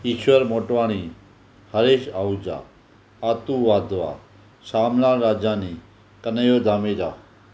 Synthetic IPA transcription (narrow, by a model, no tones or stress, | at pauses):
iʃʋəɾmoʈʋaɽ̃i | həɾeːʃaud͡ʒa̰ | at̪uʋaːd̪ʱʋa̰ | saːmlaɾaːd͡ʒãni | kənəjod̪ʱameɾa